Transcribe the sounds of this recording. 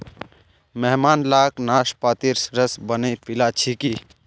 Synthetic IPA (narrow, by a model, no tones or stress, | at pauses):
mɛɦmaːnlaːknaːʃpaːt̪iɾsɾəsbənepɪlat͡ʃʰiki